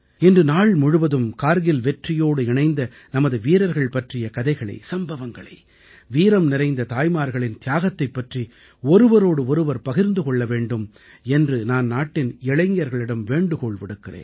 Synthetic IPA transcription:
ɛndrɯnaːɭmʊɻʊʋɐðɯmkaːɾɣɪlʋɛʈrɪjoːɽɯɪɳɐɪnd̪ɐ | nɐmɐðɯʋiːɾɐɾɣɐɭpɐʈrɪjɐkɐðɐɪɣɐɭɐ̰ɪsɐmbɐʋɐŋɡɐɭɐ̰ɪ | ʋiːɾɐmnɪɾɐɪnd̪ɐt̪aːjmaːɾɣɐɭɪnt̪ɪjaːɣɐt̪ːɐɪpːɐʈri | ɔɾɯʋɐɾoːɽɯɔɾɯʋɐɾpɐɣɪɾnd̪ɯkɔɭːɐʋeːɳɖɯm | ɛndrɯnaːnnaːʈːɪnɛɭɐɪŋjɐɾɣɐɭɪɽɐmʋeːɳɖɯkɔːɭʋɪɽɯkːɪrḛːnn

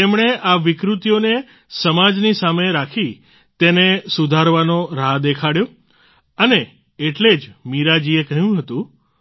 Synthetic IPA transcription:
t̪emɳ̃eʔaʋɪkɾut̪jone | səmad͡ʒnisameɾakʰi | t̪enesud̪ʱaɾʋanoɾad̪ekʰaɽjo | əne | eʈled͡ʒmiɾad͡ʒiekəɦjũɦət̪ũ

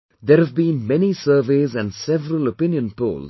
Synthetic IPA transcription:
d̪eːɾhævbĩːnmɛnisəːʋeːzæ̃nɖsɛʋəɾəlopɪ̃njə̃npo̰ːl

